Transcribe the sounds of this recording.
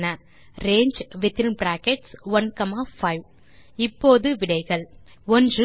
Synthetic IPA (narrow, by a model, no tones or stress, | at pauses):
nɐ | ɾeːɲd͡ʒʋɪt̪ːɪlnbɾaːkɛʈsʋɐnkɐmaːfɐɪʋ | ɪpːoːðɯʋɪɽɐɪɣɐɭ | ɔndrɯ